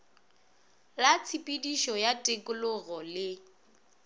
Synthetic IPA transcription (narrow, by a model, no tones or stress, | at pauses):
lat͡sʰipʼidiʃɔjatʼekʼʊlʊɣɔlɪ